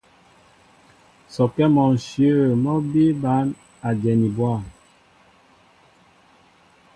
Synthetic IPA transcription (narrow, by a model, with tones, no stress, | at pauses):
sɔ˨kɛ˦mɔ˨n˨sjə˦˨mɔ˦bi˦ba˨˦n | a˨d͡ʒɛ˨ni˨bwa˦˨